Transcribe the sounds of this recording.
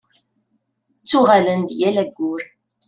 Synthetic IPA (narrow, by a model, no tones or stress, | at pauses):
t͡sːuʁalənd̪jælæɡʷːʊɾ